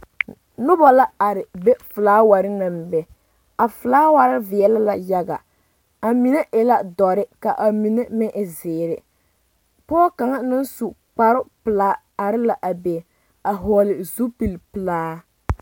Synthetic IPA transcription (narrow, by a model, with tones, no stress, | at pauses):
nʊ˦bɔ˨la˦a˨ɾɪ˨be˦fʊ˨laː˦wa˨ɾɪ˦na˨m˨bɛ˨ | a˨fʊ˨laː˦wa˨ɾɪ˦vɪ˨ɛ˨la˦la˨ja˦ɡa̰˨ | a˨mi˨ne˦ʔɪ˦la˦dɔ˨ɾɪ˦ka˨ʔa˨mi˨ne˦mɛ˦ʔɪ˨zɪː˨ɾɪ˨ | pɔː˦ka˨ŋa˦nɪ˦n˦su˨ | k͡pa˨ɾʊ˦pɨ˨laː˦ | a˨ɾɪ˦la˨ʔa˨be˨ | a˨ɦɔː˨˦lɪ˨zu˦pi˨lpɨ˨laː˦